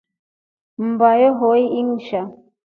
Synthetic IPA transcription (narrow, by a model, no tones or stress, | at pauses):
m̩bajoɦoiiŋ̩ʃa